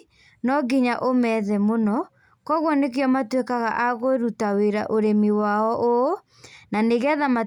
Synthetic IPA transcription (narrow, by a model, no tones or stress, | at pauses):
nɔɡiɲaʔomɛðɛmonɔ | kɔɣwɔnek̬jɔmatwekaɣaʔaɣoɾutaweɾaʔoɾemiwaɔʔo | naneɣeaðama